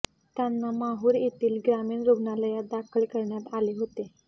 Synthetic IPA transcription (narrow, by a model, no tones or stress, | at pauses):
t̪janːamaɦuːɾet̪iːlɡɾamiːɳɾubnaləjad̪akʰəɭkəɾɳjat̪aleɦot̪e